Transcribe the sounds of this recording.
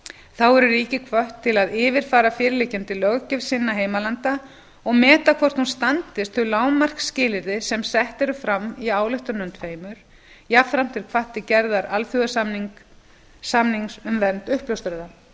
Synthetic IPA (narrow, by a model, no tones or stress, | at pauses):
θawɛɾʏɾiːcɪkʰvœht̪ʰːɪlaðɪːvɪɾ̥faːɾafɪːɾɪleːcɪnt̪ɪlœɣcʏvsɪnːaɦeːjmalant̪a | ɔɣmɛːt̪akʰvɔr̥t̪hunst̪ant̪ɪst̪θʏlaːwmar̥kscɪːlɪɾðɪsɛmsɛht̪ɛɾʏfɾamːiaːwlɪht̪ʏnʏnt̪feːjmʏɾ̥ | jafθɾam̥t̪ʰɪlkʰvaht̪ɪcɛɾðaɾalfyɣas | samniŋsʏmvɛnt̪ʏhplowst̪ʏɾða